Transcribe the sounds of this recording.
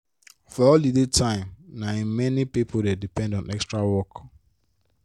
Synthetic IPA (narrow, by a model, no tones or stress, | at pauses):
fɔɔldidetʰãɪ̃mnaĩmɛnipipʰoldɛdipɛ̃ndɔ̃nʔɛkstɹawɔk